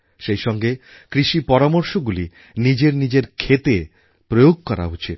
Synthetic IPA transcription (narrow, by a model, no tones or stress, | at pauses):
ʃejʃɔŋɡe | kɾiʃipɔɾamoɾʃoɡuli | nid͡ʑeɾnid͡ʑeɾkʰet̪e | pɾojoɡ̚kɔɾa̰ɦot͡ɕʰi